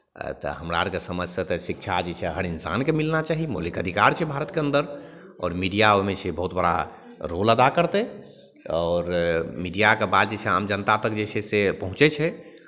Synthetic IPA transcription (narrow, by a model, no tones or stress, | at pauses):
t̪ɔ̰ɦəmɾa̰ɾkesəməd͡ʒssət̪ɔsik̚t͡ʃʰad͡ʒet͡ʃʰɛɦəɾinsa̰nkemilnat͡ʃaɦimo̰likəd̪ʱikaɾt͡ʃʰɛbʱaɾət̪keənd̪əɾ | ɔ̰ːɾmiɖijaomet͡ʃʰebəɦut̪bəɽa̰ | ɾoləd̪akəɾt̪ɛ | ɔːɾmiɖijakebad̪d͡ʒet͡ʃʰɛa̰md͡ʒənət̪ap̪əkd͡ʒet͡ʃʰɛsepəɦũt͡ʃɛt͡ʃʰɛ